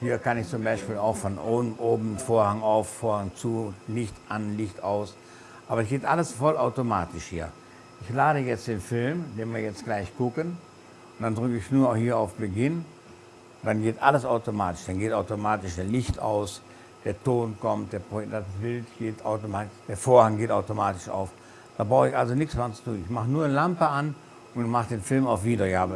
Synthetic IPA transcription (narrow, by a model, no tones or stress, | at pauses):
hiːɐkanɪçt͡sʊmbaɪʃpiːlaʊxfɔnʔoːbn̩ʔoːbm̩foːɐhaŋaʊffoːɐhaŋt͡sulɪçtʔanlɪçtaʊs | ʔaːbɐsɡ̥eːtʔaləsfɔlaʊtomaːtɪʃhiːɐ | ʔɪçlaːɾəjɛt͡std̥eːnfɪlmdeːnviːɐjɛt͡stɡ̥laɪçɡ̥ʊkən | d̥andʁʏkəɪçnuːɐhiːɐaʊfb̥əɡɪn | d̥anɡeːtʔaləsaʊtomaːtɪ̥ʃd̥anɡeːtaʊtomaːtɪʃd̥eːɐlɪçta̰ʊs | d̥eːɐtoːnkɔmt̚d̥eːɐpɔdavɪltɡ̥eːta̰ʊtomaːtɪd̥eːɐfoːɐhaŋɡeːtaʊtomaːtɪʃa̰ʊf | d̥aːbʁaʊxɪçʔalzonɪksmɛnt͡su̥tuːnɪçmaχənuːɐnəlampəan | ʔʊntmaχəd̥eːnfɪlmaʊfv̥iːdɐɡaːbə